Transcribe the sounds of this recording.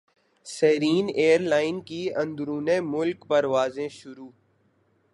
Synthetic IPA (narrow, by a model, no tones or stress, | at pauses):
sɛːɾiːneːəɾlaːɪnkiɐ̃nd̪ɾuːnẽmʊlkpəɾʋaːzẽʃʊɾuː